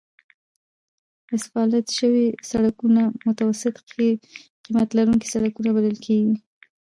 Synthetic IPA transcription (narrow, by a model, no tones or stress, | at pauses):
ɪsfɑlat̪ʃəwisaɽakunamʊt̪awasɪt̪ | qimat̪laɾuŋki̥saɽakunabaləlkʰeɡi